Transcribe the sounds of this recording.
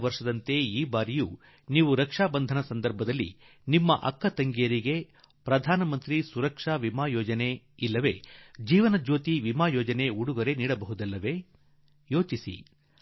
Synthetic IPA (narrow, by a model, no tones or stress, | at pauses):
ʋɐɾʂɐd̪ɐnt̪e̞iːbaːɾijuː | niːʋuɾɐkʂaːbɐnd̪ʱɐnɐsɐnd̪ɐɾbʱɐd̪ɐlːḭ | nimːɐʔɐ̰kːɐt̪ɐŋɡijɐɾiɡe̞ | pɾɐd̪ʱaːnɐmɐnt̪ɾisuɾɐkʂaːʋimaːjɔːd͡ʒɐne̞ | ilːɐʋe̞̰d͡ʒiːʋɐnɐd͡ʒoːt̪iʋimaːjɔːd͡ʒɐne̞uɽuɡɐɾe̞niːɽɐbɐɦud̪ɐlːɐʋe̞ | jo̞ːt͡ʃisḭ